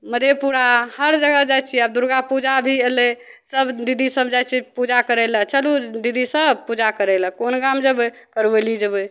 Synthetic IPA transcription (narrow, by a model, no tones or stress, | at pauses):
məd̪ʱepuɾahəɾd͡ʒəɡəd͡ʒajt͡ʃʰiabd̪uɾɡapud͡ʒabʱiele | səbd̪id̪ʱisəbd͡ʒajt͡ʃʰipud͡ʒakəɾɛlət͡ʃəlud̪id̪isəbpud͡ʒakəɾɛləkonɡamd͡ʒəb | kəɾbelid͡ʒəbə